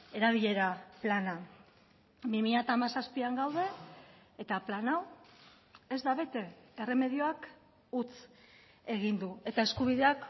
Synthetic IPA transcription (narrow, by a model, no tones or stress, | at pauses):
e̞ɾaβ̞iʎe̞ɾaplana | bimiʎat̪aːmasaspiaŋɡawð̞e̞ː | t̪aplanaw | e̞zd̪aβ̞e̞t̪e̞ːre̞me̞ð̞io̞ak | ut͡s | e̞ɣind̪ue̞t̪aeskuβ̞iðe̞ak